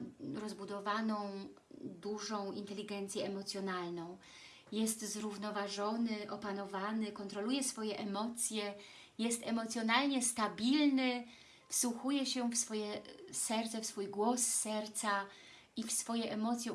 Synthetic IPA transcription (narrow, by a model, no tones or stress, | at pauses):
ɾɔzbud̪ɔvanɔ̃w̃ | d̪uʐɔ̃w̃int̪ɛlʲiɡɛnt̪sʲjɛɛmɔt̪sʲjɔnalnɔ̃w̃ | jɛst̪zɾuvnɔvaʐɔnɘʔɔpanɔvanɘkɔnt̪ɾɔlujɛsfɔjɛʔɛmɔt̪sʲjɛ | jɛst̪ɛmɔt̪sʲjɔnalɲɛst̪abʲilnɘ | fsuxujɛɕɛfsfɔjɛsɛɾt̪sɛfsfujɡwɔsːɛɾt̪sa | ifsfɔjɛʔɛmɔt̪sʲjɛ